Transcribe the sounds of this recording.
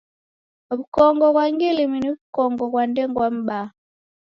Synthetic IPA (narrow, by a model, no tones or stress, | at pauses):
βukɔŋɡɔkwaŋɡiliminiβukɔŋɡɔkwandɛŋɡwam̩ba